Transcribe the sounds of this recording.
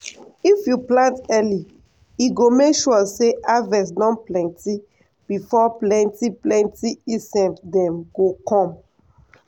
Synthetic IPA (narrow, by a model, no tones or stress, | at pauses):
ifjuplãntɛli | iɡomekʃuɔseʔavɛ̃s̬nɔ̃nplɛ̃nti | b̥ifɔplɛ̃ntiplɛ̃ntiisɛ̃mdɛ̃mɡokʰɔ̃m